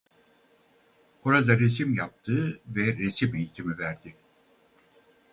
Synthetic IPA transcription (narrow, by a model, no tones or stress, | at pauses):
oɾad̪aɾes̬imjap̚t̪ʰɯːvɛɾesipijit̪ʰimivæɾd̪ɪ